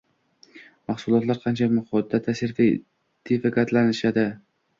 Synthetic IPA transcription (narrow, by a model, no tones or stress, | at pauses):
mɑχsʊlˠɒt̪laɾqʰɑnt͡ʃʰamʊhɒt̪ːat̪ʰasɪɾt̪ | d̪̥efɪkʲat̪lanɪʃad̪ɪ